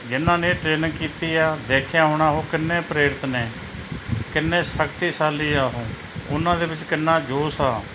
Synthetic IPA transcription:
d͡ʒɪnãːneːʈɾeːnəŋkiːt̪iːaːd̪eːkʰjãːɦoːɳaːɦõːkɪnːẽːpəɾeːɾɪt̪neː | kɪnːẽːsəkt̪iːsaːliːaːɦõː | ʊnãːd̪eːbɪt͡ʃkɪnːaːd͡ʒoːsaː

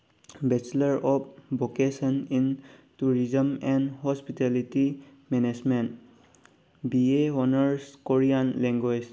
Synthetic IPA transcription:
bɛt͡ʃlaɹɔp̚bokesɔnintuɹizəmɛnhɔspitɛlitimɛned͡ʒment | bieɔnəɹskoɹianlɛ̃ŋɡwed͡ʒ

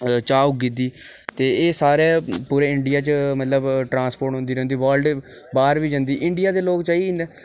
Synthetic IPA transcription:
t͡ʃaːuɡɪd̪iːt̪eːeːsaːɾeːpuːɾẽːɪɳɖɪjaːt͡ʃmət̪ləbʈɾãːspoːɾʈɦʊ̃nd̪iːɾɛ̃ːnd̪iːʋaːlɖ | baːɾʋiːd͡ʒə̃nd̪iːʔɪɳɖɪjaːd̪eːloːkt͡ʃaːinː

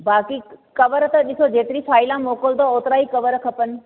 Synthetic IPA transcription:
baːkikɐʋəɾt̪ɐɗɪsod͡ʑeːt̪ɪɾifʰaːɪlãmoːkəld̪ooːt̪ɪɾaːikɐʋəɾkʰɐpənɪ̆

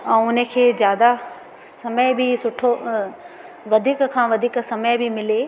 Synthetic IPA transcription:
ɛ̃ːʊnə̆kʰeːzjaːd̪a | sɐməjbɪsʊʈʰo | ʋɐd̪ʱiːkkʰãːʋɐd̪ʱiːksɐməjbɪmɪleː

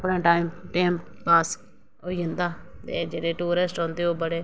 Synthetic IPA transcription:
pɳãːʈaːimʈeːmpaːs | oːiə̃nd̪aːt̪eːd͡ʒeːɽeːʈuːɾesʈɔ̃ːnd̪eːoːbəɽeː

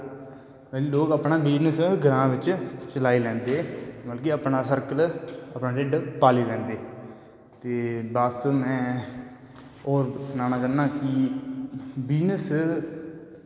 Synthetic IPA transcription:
mɛliːloːkəpɳãːbiːnəsɡəɾãːʋɪt͡ʃt͡ʃəlaːiːlɛ̃ːnd̪eːməlkiəpnaːsəɾkələpnaːɖeɖpaːliːlɛ̃ːnd̪eː | t̪eːbəsmɛ̃ː | ɔːɾsnaːnaːkənːãːkɪ | biːnəs

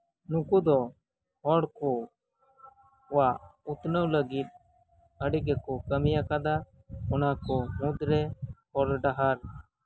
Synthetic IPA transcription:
nũkud̪ɔ | hɔɽkɔ | waʔut̪nəwləɡit̪̚ | əɽiɡɛkɔkəmijakad̪a | ɔnakɔmũd̪ɾɛhɔɽɖaɦaɾ

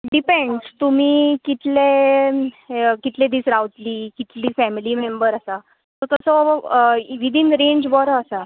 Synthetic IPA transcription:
ɖipẽɳɖt̪um̤iːkit̪le | kit̪led̪iːsɾawt̪liːkit̪liːfæmilimembəɾasa | t̪ɔt̪əsɔ | ʋid̪ʱinɾẽɲd͡ʑbɔɾəasa

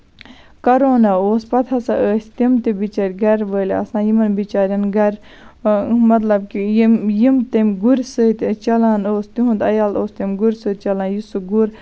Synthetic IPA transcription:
kɐɾoːnaoːspɐt̪ʰɐsɐʔəːsʲt̪imt̪ibit͡ʃaɾʲɡɐɾʋəːlʲɐ̰snãːjimɐnbit͡ʃaːɾʲɐnɡɐɾ | mɐt̪lɐbkijijimt̪emʲɡuɾʲsət̪t͡ʃɐlaːnoːst̪iɦũnd̪ɐjaːloːst̪emʲɡuɾʲsɨːt̪̚t͡ʃɐlaːnjusuɡuɾ

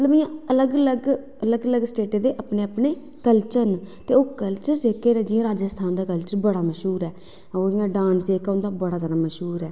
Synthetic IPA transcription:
mət̪ləbɪjãələɡələɡ | ələɡələɡsʈeːʈeːd̪eːʔaːpneːapneː | kəlt͡ʃənt̪eːoːkəlt͡ʃəɾd͡ʒeːkeːɾẽːd͡ʒɪːãːɾaːd͡ʒəst̪ʰaːnd̪aːkəlt͡ʃəɾbəɽaːməʃɦuːɾɛː | oːɪjãːɖãːnsd̪eːkaʊ̃nd̪aːbəɽaːt̪əɽaməʃɦuːɾɛː

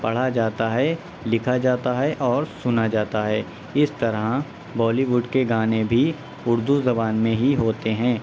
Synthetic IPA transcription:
pɐɽ̤ad͡ʒaːt̪aɦɛ | lɪkʰad͡ʒaːt̪aɦɛʔɔːɾsʊnad͡ʒaːt̪aɦɛː | ɪst̪ɐɾə | bɔːliʋʊɖkeɡaːnẽbʱi | ʊɾd̪uzɐbaːnmẽɦiɦoːt̪eɦɛ̃ː

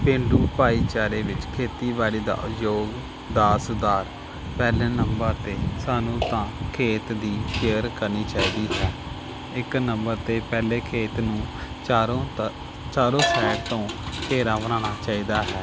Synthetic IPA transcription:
pẽːɳɖuːpaːiːt͡ʃaːɾeːʋɪt͡ʃkʰeːt̪iːbaːliːd̪a̰ːjoːɡ | d̪aːsd̪aːɾ | pɛːleːnəmbəɾt̪eːsaːnũːt̪ãːkʰeːt̪d̪iːʃeəɾkəɾniːt͡ʃaːiːd̪iːɦɛː | ɪknəmbəɾt̪eːpɛːleːkʰeːt̪nũː | t͡ʃaːɾõːsɛːʈt̪õːkeːɾãːbənaːɽ̃aːt͡ʃaːiːd̪aːɦɛː

